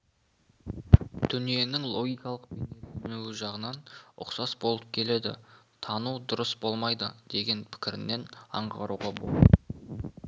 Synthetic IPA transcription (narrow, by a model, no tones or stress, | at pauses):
t̪ʰʏnije̞nɪŋlˠo̞ɡʲijkɑlˠəq̚benesɪnuwɪʒɑʁənɑnʊ̰qsɑsbo̞lˠəp̚kʲʰe̞le̞d̪ɪ̰t̪ʰɑnud̪ʊɾəsbo̞lˠmɑjd̪əd̪̥e̞ɡʲe̞npʰɪ̥kʲɪɾɪnːe̞nɑ̰ɴʁɑɾuʁɑbo̰lˠ